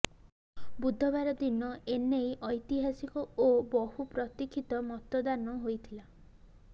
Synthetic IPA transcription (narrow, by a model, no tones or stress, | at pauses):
bud̪ʱːɔbaɾɔd̪inɔenejʔɔjt̪iɦasikɔobɔɦupɾɔt̪ikʰit̪ɔmɔt̪ɔd̪anɔɦojt̪ʰila